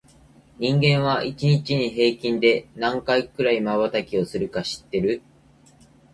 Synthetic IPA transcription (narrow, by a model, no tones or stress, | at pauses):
ɲ̟ĩŋɡẽ̞ɰ̃βaʔit͡ɕiɲ̟it͡ɕiɲ̟iɦe̞ːkʲĩnd̪e̞nãŋkaikɯ̟ɾaimaβat̪akʲio̞sɨɾɯ̟kaɕi̥t̪ːe̞ɾɯ̟